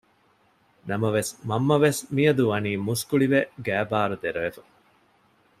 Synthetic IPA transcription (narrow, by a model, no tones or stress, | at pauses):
nɐmɐʋesmɐmːɐʋesmijɐd̪uʋɐniːmuskuɭiʋeɡæːbaːɾud̪eɾɐʋefɐ